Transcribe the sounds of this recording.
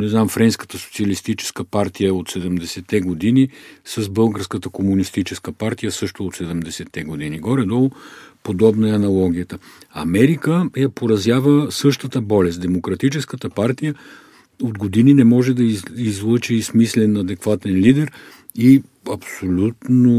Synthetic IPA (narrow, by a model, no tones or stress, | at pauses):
nɛznamfɾɛnskə̥t̪əso̥t̪siəlist̪it͡ʃɛ̥skəpaɾt̪ijəot̪sɛd̪ɛmd̪ɛsɛt̪ːɛɡod̪inisɐzbɤlˠɡəɾskət̪əkomunist̪it͡ʃɛskəpaɾt̪ijəsɤʃt̪ʊot̪sɛd̪ɛmd̪ɛsɛt̪ːɛɡod̪iniɡɔɾɛd̪ɔlˠʊpod̪ɔbnɐɛɐnɐlˠɔɡ̟ʲijət̪ə | ɐmɛɾikəjɐpoɾɐzjavəsɤʃt̪ət̪əbɔlɛst̪d̪ɛmokɾɐt̪it͡ʃɛskət̪əpaɾt̪ijə | od̪ɡod̪ininɛmɔʒɛd̪ɐizlˠɤt͡ʃiːsmislɛnɐd̪ɛkvat̪ɛnlid̪ɛɾ | i | ɐpsolʲut̪no